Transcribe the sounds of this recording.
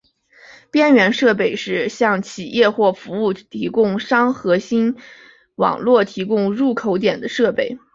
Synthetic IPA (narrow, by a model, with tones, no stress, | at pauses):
pjɛ˥nɥɛ˧˥nʂɤ˥˧p̬e˥˩ɪʂɻ̩˥˧ɕjɑ˥˩ŋt͡ɕʰi˨˩jʔɛ˥˧xwɔ˥˩fu˧˥u˥˩t̪ʰi˧˥kʊ˥˧ŋʂɑ˥ŋxɤ˧˥ɕi˥n | wɑ̰˨˩ŋlwɔ˥˩t̪ʰi˧˥kʊ˥ŋɻu˥˩kʰo˧˥ʊt̪̬jɛ˨˩nd̪ə˦ʂɤ˥˧pe˥˩ɪ